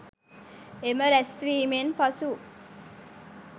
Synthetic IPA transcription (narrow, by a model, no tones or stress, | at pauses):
eməɾɛsʋiːmenpɐsu